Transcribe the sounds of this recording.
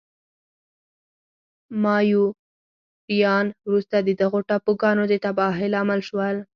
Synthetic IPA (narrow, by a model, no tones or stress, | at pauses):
mɑju | ɾijɑnwɾust̪ad̪əd̪aɣoʈapoɡɑnod̪ət̪abɑɦɪlamalʃwəl